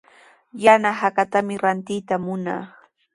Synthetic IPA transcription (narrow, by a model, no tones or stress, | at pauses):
janaɦakat̪amɪɾant̪ɪjt̪amʊnɑ̰χ